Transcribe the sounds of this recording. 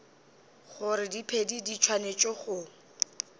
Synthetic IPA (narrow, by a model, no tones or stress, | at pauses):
χʊɾɪdipʰedidit͡ʃʰwanet͡ʃʼɔχʊ